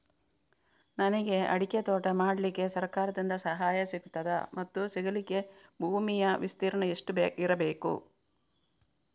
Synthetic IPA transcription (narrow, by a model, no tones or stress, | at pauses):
nɐnɐɡe̞ɐ̰ɽiket̪ɔːʈɐmaːɽɐlikːe̞sɐɾkaːɾɐd̪ind̪ɐsɐɦaːjɐsiɡut̪ːɐd̪ɐmɐt̪ːusiɡɐlikːe̞bʱuːmijɐʋist̪iːɾɐɳɐeʂʈubiɾɐbeːkṵ